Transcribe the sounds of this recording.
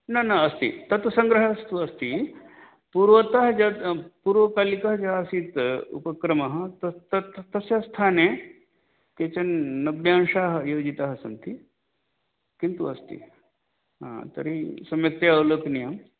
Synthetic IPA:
nanaɐst̪ḭt̪ɐt̪sɐŋɡɾəɦɐst̪uɐst̪i | puɾʋɐt̪ɐɦd͡ʒapuːɾʋɐkaːlikɐɦd͡ʒɐɦasiːt̪ṵpɐkɾɐmɐɦɐt̪ɐt̪ɐt̪t̪ɐsjast̪ʰane | ket͡ʃɐnːɐbjeɐnʂaɦjod͡ʒit̪aɦəsɐnt̪i | kint̪uɐst̪ḭ | ɦã̰t̪ɐ̰ɾisɐmjɐk̚t̪eɐwləknijɐm

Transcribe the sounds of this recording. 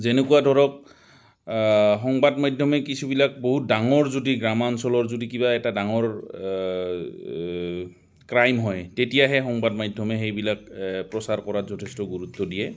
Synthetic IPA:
zenekuwadʱɔɹɔk̚ | ɦɔŋbadmajdʱjɔmɛkisubilak̚boɦut̚daŋɔɹzudiɡɹamansɔlɔɹzudikibaɛtadaŋɔɹ | kɹajmɦɔjtetijaɦɛxɔŋbadmajdʱjɔmɛxejbilak̚pɹɔsaɹkɔɹatzɔtʰestɔɡuɹut̪ːɔdijɛ

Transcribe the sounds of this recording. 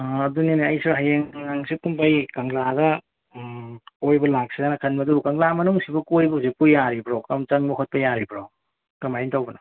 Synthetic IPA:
ɐduniniɐjsiɾɦajeŋaŋsit̚kumpajkaŋlaɡɐ | kojbɐlak̚sizanɐkʰɐnbɐdukaŋlamɐnuŋsibɐkojbusikujːaɾibɾokamt͡ʃaŋmokʰot̚pɐjaɾibʰɾow | kamajintawbɐna

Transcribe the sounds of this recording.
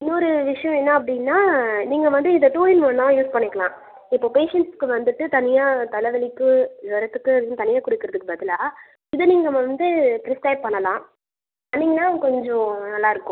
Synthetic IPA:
ɪnːɔɾɯʋɪʂɐjɔ̃ɛnːaɐp̬ːɐɽɪnːaːniːŋɡɐʋɐnd̪ɯɪðɐʈuːɪnmɐnːãːjuːspɐɳːɪkːɐɭlãː | ɪpːoːpeːʂɛɳʈskɯʋɐnd̪ɯʈːɯt̪ɐnɪjaːt̪ɐlɐʋɐɭɪkːɯ̃ʋɐɾɐt̪ːɯkːɯɐðɪjʊ̃t̪ɐnɪjaːkʊɽɪkːɯɾɐðɯkːɯbɐðɪlaː | ɪðɯniːŋɡɐʋɐnd̪ɯpɾɪsʈɐɪb̚pɐɳːɐlãː | ɐnːiŋɡɐnːaːkɔɲd͡ʒɔ̃nɐlːaːɪɾɯkːʊ̃

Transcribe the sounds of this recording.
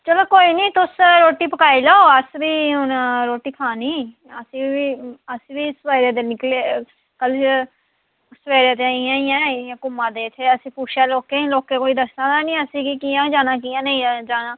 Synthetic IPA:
t͡ʃəloːkoːiːnĩːt̪ʊsɾoːʈiːpəkaːiːlaːoəsbiːʊnɾoːʈiːkʰaːniː | əsĩːiːəsʋiːɪsʋaːiɾeːd̪eːnɪkleː | kəl | ʊsʋeːɾeːt̪̬eaiːãːɪjãːjãːkʊmãːd̪eːɪt̪ʰːeːəsĩːpuːt͡ʃʰaːloːkːeːloːkːeːkoːiːd̪əsnãːd̪aːnĩːəsĩːkikiːãːd͡ʒaːnãːk̬iːãːneĩd͡ʒaːnãː

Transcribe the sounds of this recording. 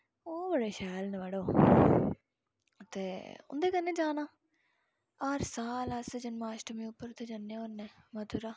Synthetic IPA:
oːbəɽeːʃɛːlneʋəɽoː | t̪eːʊ̰nd̪eːkənːẽːd͡ʒaːnaː | aːɾsaːləsd͡ʒənmaːʃʈəmĩːʊpːəɾt̪ːeːd͡ʒənːẽːonːeːmət̪uɾaː

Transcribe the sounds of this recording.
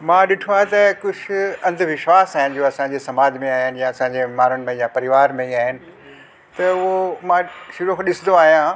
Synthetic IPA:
mãːɗɪʈʰoaːet̪ɐkʊd͡ʑʰɪ̆ɐ̃nd̪ʱʋɪʃʋaːsaːɦɪnɪ̆d͡ʑoːɐsãɲd͡ʑesɐmaːd͡ʑmẽaːɦɪnɪjaɐsãːɲd͡ʑemaːɾʊnmẽjapɐɾɪʋaːɾmẽiaːɦɪnɪ̆ | t̪ɐʊomãʃɪɾõkʰɗɪsɪ̃nd̪oaːɦijã

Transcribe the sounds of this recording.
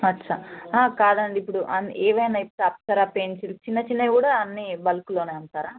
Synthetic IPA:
ɐtːʃʰaaːkaːd̪ɐɳɖiːpːuɽuʔɐnɛːʋɐjnaːipap̚t̪ɐɾaːpent͡ʃilt͡ʃinːɐt͡ʃinːɐjkuːɽaːɐnːibɐlɐkuloːneːɐɳt̪aːɾaː

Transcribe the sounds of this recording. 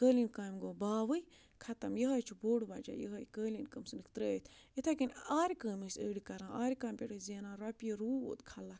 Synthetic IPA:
kəːlinkaːmɡoːbaːʋɨj | kʰɐt̪ɐmjɐɦɐjt͡ʃʰuboːɽbad͡ʒa̰ːjə̰ɦɐjkəːlinkəmsɨnikʰt̪ɾəːt̪ʰet̪ʰakinʲaːɾikəːmesəːɽikɐɾãːʔaːɾikaːmʲpʲeʈɨzeːnãːɾɐpjiɾṵːt̪kʰɐla

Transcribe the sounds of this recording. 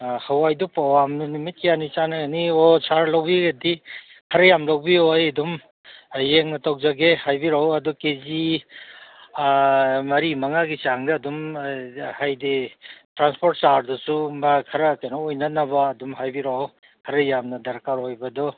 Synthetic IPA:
hawajdɔpawamnɐnimit̚kijanit͡ʃanɐɡniɔt͡ʃaɾlawbiɡedi | kʰɐɾɐjamlawbiojɐdum | jeŋnɐtʰawzaɡehajbiɾawɐdukezi | mɐɾimɐŋaɡit͡ʃaŋdɐːdum | hajditɾanspʰoɾt̚t͡ʃaɾdɔsumakʰɐɾɐkajnɔojnɐnɐbɐːdumɦajbiɾaw | kʰɐɾɐjamnɐdɐɾkaɾojbɐdɔ

